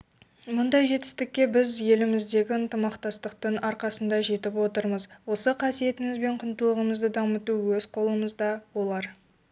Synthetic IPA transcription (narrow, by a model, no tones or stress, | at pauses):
mʊnd̪ɑjʒe̞t̪ɪ̥st̪ɪk̚ʲːe̞bɪzje̞lɪmɪzd̪e̞ɡʲɪənt̪əmɑqt̪ɑst̪əqt̪ʰʏnɑɾqɑsənd̪ɑʒe̞t̪ɪpwo̞t̪əɾməzwo̞səqʰɑsije̞t̪ɪmɪzbe̞ɴqʰənt̪əlˠəʁəməzd̪əd̪ɑmət̪uwɵzqʰo̞lˠəməzd̪ɑwo̞lˠɑɾ